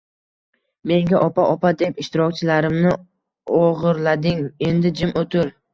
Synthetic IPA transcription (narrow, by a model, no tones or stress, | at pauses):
me̞ŋɡʲaʔɒpaʔɒpad̪e̞pɪʃt̪ɪɾɒkʲt͡ʃʰɪlaɾɪmnɪ | oʁɨɾlad̪ɪŋe̞nd̪ɪd͡ʒɪmot̪ʰɪɾ